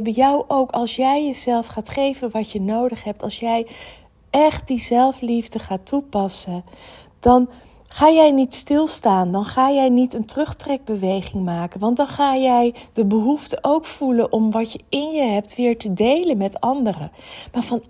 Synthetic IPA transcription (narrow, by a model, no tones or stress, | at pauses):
bəjɑwʔowkɑlˠsjɛjjəzɛlˠfχaːtχejvənʋɑcənowdəχɦɛp̚tɑlˠsjɛj | ʔɛχt̚dizɛlˠflivdəχaːtupɑsə | d̥ɑn | χaːjɛjnitstɪlˠstaːndɑnχaːjɛjnitəntərɵχtrɛɡ̚bəʋejχɪŋmaːkənʋɑntdɑnχaːjɛjd̥əbəɦuftəʔowkfulənʔɔmʋɑtjəɪnjəɦɛp̚tʋɪːɹtədejlənmɛtɑndərəmaːɹvɑn